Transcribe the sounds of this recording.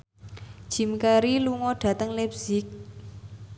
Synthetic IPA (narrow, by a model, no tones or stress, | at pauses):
d̥ʒ̥i̤mkaɾiluŋɔɖ̥ä̤t̪əŋlɛpz̥ɪk̚